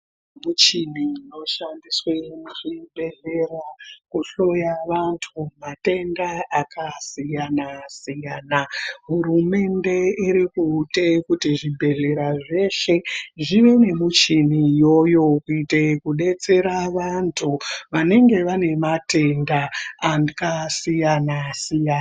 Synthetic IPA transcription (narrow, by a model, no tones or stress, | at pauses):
mut͡ʃinino̞ʃandiswenuʐibʱe̞ɮe̞rakuɬo̞jaʋantʰumate̞ndaakʰasijanasijaːnaɦuɾume̞nde̞iɾikutekutiʐibʱe̞ɮe̞ɾaʐe̞ʃe̞ʐiʋe̞ne̞mut͡ʃinijo̞jo̞kuitekuɗe̞t͡se̞ɾaʋantʰuʋane̞ŋɡe̞ʋane̞mate̞ndaːndikasijanasijana